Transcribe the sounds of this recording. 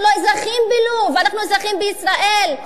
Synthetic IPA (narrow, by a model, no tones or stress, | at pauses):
loezaχimbiluvanaχnuezaχimbeisʁaʔel